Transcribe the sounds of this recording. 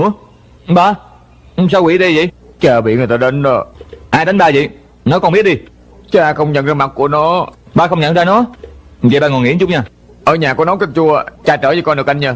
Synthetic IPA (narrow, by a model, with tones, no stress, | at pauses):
ɨ˧˥ə˨ | ɓaː˧˨˩ | saː˧wi˧˦ɗi˧zḭ˧˨j | t͡ɕəː˨˩ɓḭ˧˨ŋ˨˩jt̪aː˧ɗe˨˦nɗɔ˨˦ʔaː˧jɗ̪a˨˦jŋ̟ɓaː˧zḭ˨j | nɔ˨˦kɔ˧mɓi˦˥ət̚ɗi˧ | t͡ɕɨ˨˦ʔaː˧jxə˧wŋ͡mɲə̰˧˨nzaː˧ma˨˩k̚kːu˧˩ənɔ˨˦ɓaː˧˩xə˧wŋ͡mɲə̰˧˨nzaː˧nɔ˨˦˨zḭ˨ɓaː˧˩ŋɔ˨˩nŋḭ˧˩˥ə˦t͡ɕʊ˦˥k͡p̚ɲaː˧˩ | ʔəː˧˩ɲaː˨˩ku˧˦ənɔ˨˦kə˧˩t̚t͡ɕu˧ə˨t͡ɕaː˧˩t͡ɕəː˧˩zəː˨˧˩kɔ˧nɗɨ˨˩əkʔa˧ŋɲəː˧˩